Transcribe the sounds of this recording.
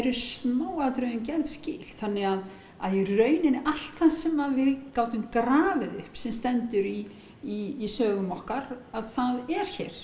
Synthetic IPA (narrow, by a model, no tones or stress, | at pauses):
ɛɾʏsnaːwaðt̪ɾœðʏnc̬ɛɾðscɪːlθanːɪɣað | a̰ðirœːɥnɪnʔal̥t̪ːasɛmaðvɪðkaːwt̪ʏmkɾaːvɪðʏhpsɛmst̪ɛnt̪ʏɾiː | sœːɣʏmɔhkaɾaðθaðɛɾ̥çɛːɾ̥